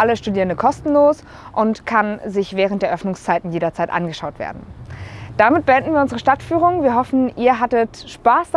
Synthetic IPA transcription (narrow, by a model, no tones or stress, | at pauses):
ʔaləsʃtudiːʁəndəkʰɔstn̩loːs | ʔʊntkʰanzɪçv̥ɛːʁ̞ənt̚d̥eːɐʔœfnʊŋst͡saɪtn̩jeːɾɐt͡saɪtʔa̰nɡəʃaʊtv̥ḛːɐdn̩d̥amɪt̚b̥əɛndn̩viːɐʊnzəʁəʃtatfyːʁ̞ʊŋviːɐɦɔfn̩iːɐɦatətʃpaːs